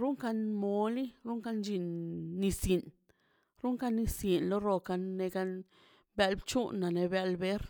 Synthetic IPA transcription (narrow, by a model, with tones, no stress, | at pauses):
ɾu˦ŋka˧nmo˧˦li˦ɾu˦ŋka˧nd͡ʒi˧nːi˧si˨n | ɾu˦ŋka˧ni˧si˨nlo˦ɾo˧ka˧nːe˧ɡa˧n | ba˧lbt͡ʃu˦nːa˨ne˧ba˧lbe˦ɾ